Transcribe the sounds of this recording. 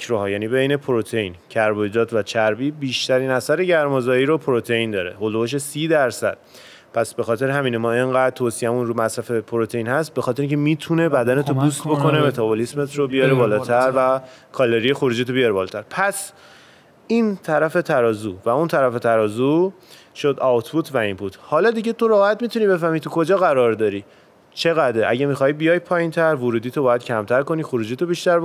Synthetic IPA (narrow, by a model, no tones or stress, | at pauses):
kʰɾoɦɒːjæːniːbejne̞pʰoɾot̪ʰejiːncʰæɾbojd̪ɒːt̪ʰvæt͡ʃʰæɾbiːbiːʃt̪æɾiːnæsæɾeɟæɾmozɒːiːɾopʰoɾot̪ʰejind̪ɒːɾe̞̰holoboʃ̬esiːd̪æɾsæ̰d̪̥ | pʰæsb̥e̞xɒːt̪e̞ɾeɦæmiːnemɒːe̞ŋɢæːd̪̚t̪ʰoːsijæmunɾumæsɾæfe̞pʰoɾot̪ʰeiːnhæst̪̚be̞xɒːt̪ʰeɾiŋcʰemiːt̪ʰune̞bæd̪ænet̪ʰobust̪bo̞kʰo̞neme̞t̪ʰɒbolismet̪ʰɾobijɒːɾebɒːlɒːt̪ʰæɾvæ | kʰɒːleɾijexoɾuːd͡ʒit̪̬ʰobijɒɾebɒːlɒːt̪ʰæɾpʰæs | iːnt̪ʰæɾæfe̞t̪ʰæɾɒːzuvæunt̪ʰæɾæfe̞t̪ʰæɾɒːzu | ʃo̞d̪ɒt̪ʰbut̪ʰvæimpʰut̪ʰhɒːlɒd̪iɟe̞t̪o̞ɾɒːhæt̪miːt̪uniːbe̞fæhmiːt̪ʰukʰo̞d͡ʒɒːɣæɾɒːɾd̪ɒːɾi | t͡ʃʰe̞ɣæd̪ɾeʔæ̰ɟemixɒːibijɒːj̚pʰɒːjint̪ʰæɾvuɾuːd̪iːt̪ʰobɒːjæd̪̥cʰæmt̪ʰæɾko̞niːxoɾuːd͡ʒiːt̪ʰobiʃt̪æɾb